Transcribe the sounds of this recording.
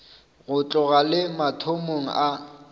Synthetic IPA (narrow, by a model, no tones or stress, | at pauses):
ɣʊt͡ɬʼʊɣalɪmatʰomoŋ̩ʔa